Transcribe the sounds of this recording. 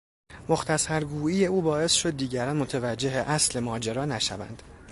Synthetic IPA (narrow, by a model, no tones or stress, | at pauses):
mo̞xt̪ʰæsæɾɡuːije̞uːbɒːe̞sʃo̞d̪̚ːiːɟæɾɒːnmot̪ʰevæd͡ʒːe̞ɦeʔæsle̞mɒːd͡ʒeɾɒːnæʃæ̰væ̰nd̪̥